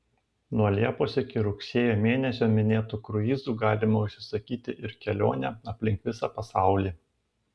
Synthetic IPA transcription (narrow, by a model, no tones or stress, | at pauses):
nuɔlʲiɛpoːsɪkʲɪɾʊksʲeːjoːmʲeːnʲɛsʲoːmʲɪnʲeːt̪uːkɾʊiːzuːɡɑːlʲɪmɐʊʃʲsʲɪ̥sɐkʲiːt̪ʲɪʔɪɾkʲɛlʲo̰ːnʲɛɐpʲlʲɪŋkʋʲɪsɑpɐsɑˑʊlʲiː